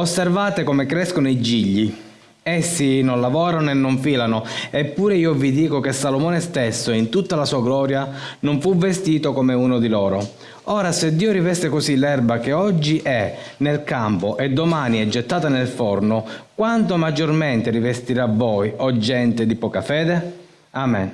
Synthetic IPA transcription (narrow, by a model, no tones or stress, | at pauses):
osːervaːt̪ekomekɾɛskonoid͡ʒiʎːi | esːinonlavɔːɾanoenːoɱfiːlanoepːuːɾeiːovid̪iːkokesːalomɔːnest̪esːoint̪ut̪ːalasuːaɡlɔːɾjanoɱfuvest̪iːt̪okomeuːnod̪ilɔːɾo | ɔːɾased̪ːiːoɾivɛst̪ekosilɛrbakeɔd͡ʒːiʔɛnelkampoʔed̪ːomaːniɛd͡ʒːet̪ːaːt̪anelfɔrnokwant̪omad͡ʒorment̪eɾivest̪iɾavːɔjɔd͡ʒːɛnt̪ed̪ipɔːkafɛːd̪e | aːmɛn